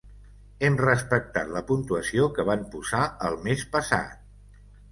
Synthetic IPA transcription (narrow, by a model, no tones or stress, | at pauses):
emrəspək̚t̪a̰t̪ləpunt̪uəsiokəβampuzaəlˠmespəsa̰t̪̚